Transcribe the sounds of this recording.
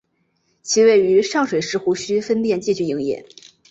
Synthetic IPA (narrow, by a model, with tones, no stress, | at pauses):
t͡ɕʰi˧˥we˥˩ɪy˧˥ʂɑ˥˩ŋʂwe˨˩ɪʂɻ̩˥˩xu˧˥ɕy˥fə˥nt̪jɛ˥˧nt͡ɕi˥˧t͡ɕy˥˩i˧˥ŋjɛ̰˨˩˦n